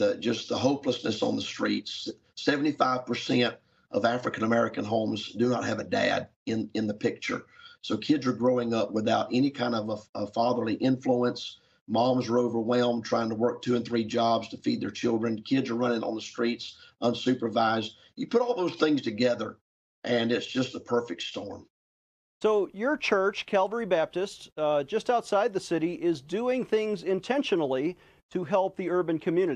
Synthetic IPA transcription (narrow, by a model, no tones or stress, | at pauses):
ðɨ̥d͡ʒʌsðəɦoʊpləsnɨsn̩ðəstɹ̥ḭts | sɛvn̩tifaɪv̥pʰə˞sɛ̃nt | ʔʌ̰væfɹɨkɨ̃nəmɛɹɨkɨ̃nɦõʊ̃mzdɨnə̰t̚hɨvɨdæ̰ɾ | ɪ̃nɨ̃nðɨpʰɪk̚t͡ʃə̰˞soʊkʰɪdzə˞ɡɹoʊɪ̃ŋʌpwəθaʊɾʔɛnikʰãɪ̃ndʌvəəfɑðə˞liʔɪ̃ɱfluə̃ns | mɑ̃mzə˞oʊvə˞wɛlˠmtʰɹ̥aɪɪ̃ŋtʰəwɜ˞k̚tʰʉɨ̃nθɹid͡ʒɑbz̥tʰəfid̪̚ðə˞t͡ʃʰɪlˠdɹɨ̃nkʰɪdzə˞ɹʌñɪ̃ŋə̰̃n̩ðəstɹ̥itsʔʌ̃nsʉpə˞vaɪzd̚ | jɨpʰʊɾɔlˠðoʊz̥θɪ̃ŋz̥tʰɨɡɛðə˞ | ʔɨ̃nɪtsd̥ʒ̥ʌstəpʰɜ˞fɪk̚tstɔ̰ɹm | soʊjə˞t͡ʃʰɜ˞t͡ʃkʰælˠvə˞ibæp̚tɨstd͡ʒ̥ʌstaʊtsaɪd̪̚ðɨsɪɾiʔɪzdʉɪ̃ŋθɪ̃ŋzɪ̃ntʰɛ̃nʃɨnl̩ˠi | ɾɨɦɛlˠp̚ðiɜ˞bɨ̃nkʰɨmjʉnɨ